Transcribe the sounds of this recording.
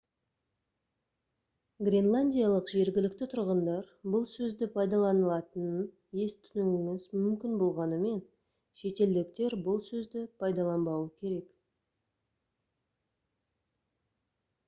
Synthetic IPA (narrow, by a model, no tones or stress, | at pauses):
ɡrʲe̞nlˠanʲdʲijalˠəqʒe̞ɾɡʲɪlɪkt̪ɪt̪ʰʊɾʁənd̪ɑɾ | bʊlˠsɵzd̪ɪpʰɑjd̪ɑlˠɑnəlˠɑt̪ənə | je̞st̪ʰʏnɪŋɪŋɪzmʏmkʲɪnbo̞lˠʁɑnəme̞n | ʃe̞t̪e̞ld̪ɪkt̪e̞ɾbʊlˠsɵzd̪ɪpʰɑjd̪ɑlˠɑnbɑwəkʲʰe̞ɾe̞k